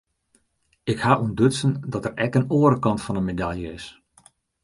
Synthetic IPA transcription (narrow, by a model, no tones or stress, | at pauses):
ɪkhaːʔundɵtsəndɔtərɛkənoəɾəkɑntfɑnənmedaljəɪs